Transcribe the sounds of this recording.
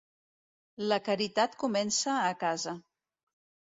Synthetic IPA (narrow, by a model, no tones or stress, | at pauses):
ləkaɾit̪at̪kumɛnsəːkazə